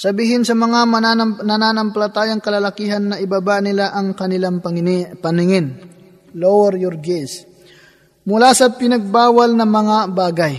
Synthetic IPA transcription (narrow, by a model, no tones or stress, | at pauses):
sɐbiːɦɪnsɐmɐŋamɐaɐnɐnanɐmpɐlɐt̪aːjɐŋkɐlɐlɐkiːɦɐnːɐʔɪbabaʔnɪlaʔɐŋkɐnɪlaŋpɐŋɪpɐnɪŋɪn | lowɛɾjɔɾɡɛs | mʊlasɐpɪnɐɡ̚baːwɐlnɐŋmɐŋabaːɡɐj